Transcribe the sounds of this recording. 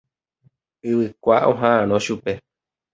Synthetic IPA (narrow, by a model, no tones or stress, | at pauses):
ɨwɨkʷaʔõ̰ɦããnõʃupe̞